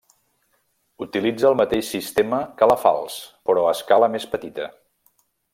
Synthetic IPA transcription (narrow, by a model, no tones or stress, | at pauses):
ut̪ilid͡zəːlˠmət̪eʃsist̪eməkələfa̰lˠspɾɔəskaləmespət̪it̪ə